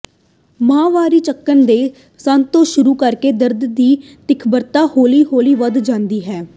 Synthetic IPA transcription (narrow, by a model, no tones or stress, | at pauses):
mãːʋaːɾiːt͡ʃəkːənd̪eː | sə̃nt̪ːõːʃʊɾuːkəɾkeːd̪əɾd̪d̪iː | t̪ɪkʰbəɾt̪aːhoːliːɦoːliːʋəd̪d͡ʒãːnd̪iːɦɛː